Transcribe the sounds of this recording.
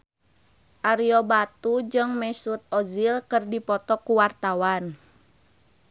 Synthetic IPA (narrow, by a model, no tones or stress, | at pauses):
ʔaɾiɔbat̪ud͡ʒɨŋmɛsut̪̚ɔzilkɨrdipɔt̪ɔkuwart̪awan